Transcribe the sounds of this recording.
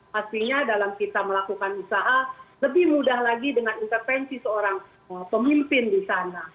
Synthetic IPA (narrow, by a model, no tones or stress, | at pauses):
past̪iɲadalamkit̪aməlakukanusaɦaləbɪhmudahlaɡidəŋanint̪ərfɛnsisəoɾaŋ | əpəmimpɪndisana